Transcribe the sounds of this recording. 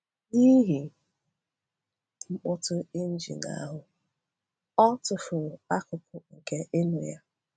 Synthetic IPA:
ɲi˦ɦi˨ | ŋ͡m̩˦k͡pʊ˦tʊ˦ɪ˦n̩˦d͡ʒḭ˨na̰˨a˦ɦʊ˨ | ɔ˦tʊ˨fʊ˨a˦kʊ˨pʊ˨ŋ̩˨ke˦ʔɪ˦nʊ˨ja˦

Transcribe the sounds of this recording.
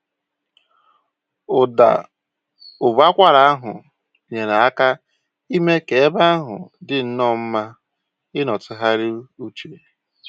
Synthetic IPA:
ʊ˨da̰˨ | ʊ˨ba˦kʷa˦ɾa˨a˦ɦʊ˨ | ɲe˨na˨a˦ka˦ | i˦me˦ke˨e˦ba˦a˦ɦʊ̰˨dɪ˨n̩˦nɔ˦˨m̩˦ma˦ | ɪ˦nɔ˨tɪ˦ɦa˦ɾɪ˦u˦t͡ʃi˨ɾe˨

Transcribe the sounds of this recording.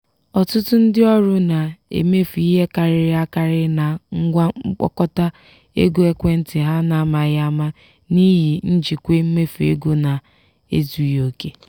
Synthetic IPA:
ɔ˨tʊ˦tʊ˦n̩˦dɪ˦ɔ˦ɾʊ˦na˨ḛ˨me˦fi˦ɦe˦ka˨ɾɪ˦ɾɪ˦a˦ka˦ɾɪ˦na˨ŋ̩˦ɡʷa˦k͡pɔ̰˦kɔ˦ta˦ | ḛ˦ɡo˦e˦kʷe˦n̩˦tɪ˨ɦa˦na˨˦ma˨ja˦ma˦ | ni˦ɦi˨n̩˦d͡ʒi˨kʷe˦m̩˦me˦fḛ˦ɡo˦na˨ | ḛ˦zu˨jo˨ke˦

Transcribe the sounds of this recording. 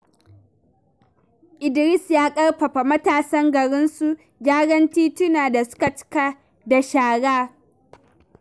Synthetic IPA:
ʔɪ˨dɾɪ˦sjaː˦kʼɐ˦ɽɸɐ˨ɸa˨mɐ˦taː˨sɐ˦ŋɡɐ˨ɾɪ˦nsu˦ | d͡ʒaː˦ɽɐ˦ntiː˦tʊ˦naː˨da˨sʊ̥˦ka˨t͡ʃɪ̥˦ka˦ | da˨ʃaː˨ɽaː˦

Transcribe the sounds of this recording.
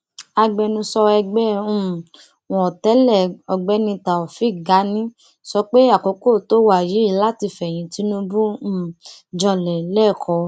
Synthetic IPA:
a˧ɡ͡bɛ˧nũ˧sɔ˧ɛ˧ɡ͡bɛ˦ũ˦˨ | ɔ̃˨ɔ˨tɛ˦lɛ˦˨ɔ˧ɡ͡bɛ˨˦nĩ˧ta˨ɔ˨fi˦˨ɡa˨˦nĩ˦ | sɔ˧k͡pe˦ja˦˨ko˨˦ko˦˨to˦wa˨ji˨˦i˦˧˨la˦ti˧fɛ˨j̃ĩ˨˦ti˨˦nũ˧bũ˦˨d͡ʒɔ˧lɛ˨˦lɛ˦˨kʰɔ˧˦

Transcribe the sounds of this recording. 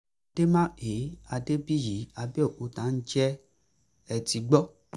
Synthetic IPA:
d̥e˦mã˦e˨˦a˧de˦bi˦ji˨˦a˧bi˦ɔ˦˨ʔo˨˦tã˨˦n̩˦d͡ʒɛ˦ | ɛ˨ti˧ɡ͡bɔ˦

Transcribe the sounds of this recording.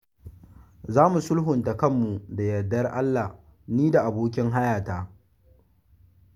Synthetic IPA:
zaː˦mu˨sʊ˦lɦʊ˨nta˨kɐ˦˨mːu˨da˨jɐ˨dːɐ˦rʔa˦lːa˨h | niː˦da˨ʔa˨boː˦k̬ʲɪ˦ŋɦa˦jaː˨taː˦

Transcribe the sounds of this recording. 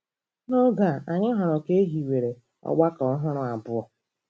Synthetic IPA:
no˦ɡa˨a˨ɲɪ˦ɦɔ˨ɾʊ˨ke˦ɦi˨we˨ɾe˨ | ɔ̰˦˨ɡ͡ba˦kɔ˦ɦʊ˦ɾʊ˨a˨bʊ˦ɔ˨

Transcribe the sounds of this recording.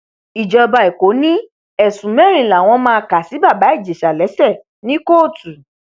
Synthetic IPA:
i˨d͡ʒɔ˧ba˧ɛ˨ko˨˦nĩ˦ | ɛ˨sũ˨mɛ˦˨ɾĩ˨la˨w̃ɔ̃˧mãː˦˧ka˨si˨˦ba˦˨ba˨˦i˦˨d͡ʒe˨ʃa˨lɛ˨˦sɛ˦˨ | nĩ˦ko˦˨tu˨

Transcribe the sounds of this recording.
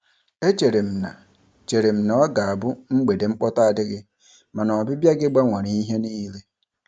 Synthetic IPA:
e˦t͡ʃe˨ɾe˨m̩˨na̰˨ | t͡ʃe˨ɾe˨m̩˨nɔ˨˦ɡa˨a˨bʊ˦ŋ͡m̩˦ɡ͡be˨de˨ŋ͡m̩˦k͡pɔ˦ta˦a˨dɪ˦ɡɪ˦ | ma˨nɔ˨bɪ˦bja˦ɡɪ˦ɡ͡ba˦ŋʷa˨ɾi˨i˦ɦe˦niː˦le˦

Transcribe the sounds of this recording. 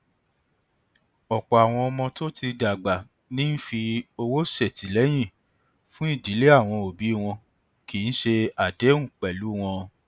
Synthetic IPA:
ɔ˨k͡pɔ˨a˨w̃ɔ̃˧ɔ˧mɔ̃˧to˦ti˧da˨ɡ͡ba˨ | nĩ˦n̩˦fi˧o˧wo˦ʃe˦˨ti˨˦lɛ˦j̃ĩ˦˨ | fũ˦i˦˨d͡ʒi˨˦le˦a˦˨w̃ɔ̃˧o˨bi˨˦˨w̃ɔ̃˧ | ki˨˦n̩˦ʃe˧a˨dɛ˨˦ũ˦˨k͡pɛ˨lu˨˦w̃ɔ̃˧

